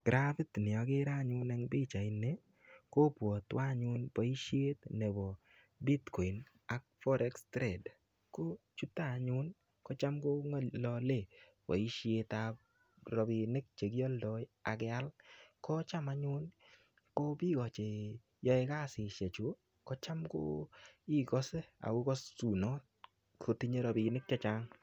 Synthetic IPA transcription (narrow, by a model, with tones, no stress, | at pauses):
ɡ̥ɾafi˦tnɪ˨ɔ˨ke˦ɾa˦˨ɲʊ˦nɛ˦ŋbi˦t͡ʃa˨ɪ˨nːe˦ | ko˦pwɔ˨t̪wa˦ɲʊ˦npɔ˨i˦ʃje˦t̪nɛ˨bɔ˨ | bi˦tkɔ˨jn | a˨k̚fɔ˦ɾʔɛ˦kstɾɛ˨d | ko˦t͡ʃu˦t̪a˦˨ɲu˦n | kɔ˦t͡ʃa˦mko˦ŋɔ˦lɔ˧le˦˨ | pɔ̰˨i˦ʃje˧t̪a | ɾɔ˨bi˨nɪ˦k̚t͡ʃe˨ɡjɔ˦ldɔ˦ja˨ɡɛa˦lkɔ˦t͡ʃa˦ma˦ɲʊ˦n | kɔ˦bi˦ɡɔ˨t͡ʃe˨ | jɔ˦e˦ka˦sɪ˨ʃe˨t͡ʃu˦ | kɔ˦t͡ʃa˦mko̰˦i˦kɔ˦se˦a̰˨u˦kɔ˦sːu˨nɔ˦t̚ | kʰo˦ti˦ɲe˦ɾɔ˨bi˨nɪ˦k̚t͡ʃa˦t͡ʃa˦ŋ